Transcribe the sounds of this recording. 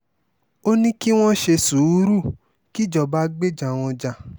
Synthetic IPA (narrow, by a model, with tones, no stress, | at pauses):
o˦nĩ˦ki˦w̃ɔ̃˦ʃe˧su˨˦ɾu˦˨ | ki˦˨d͡ʒɔ˨ba˧˦ɡ͡be˦˨d͡ʒa˨w̃ɔ̃˧d͡ʒa˨